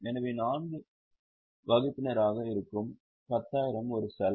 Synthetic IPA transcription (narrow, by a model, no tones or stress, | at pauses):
ɛnɐʋeːnaːnɡɯ | ʋɐɣɪpːɪnɐɾaːɣɐɪɾɯkːɯm | pɐt̪ːaːjɪɾɐmɔɾɯsɐl